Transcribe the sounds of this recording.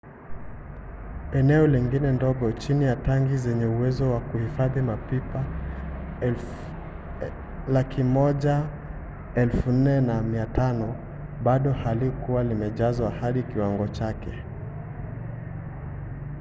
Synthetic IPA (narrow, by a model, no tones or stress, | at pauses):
ɛnɛɔliŋɡinɛndɔɡɔt͡ʃinijataŋɡizɛɲɛuwɛzɔwakuhifaðimapipa | lakʰimɔʄa | ɛlfun̩nɛnamiatʰanɔ | ɓaɗɔhalikuwalimɛʄazwahaɗikiwaŋɡɔt͡ʃakɛ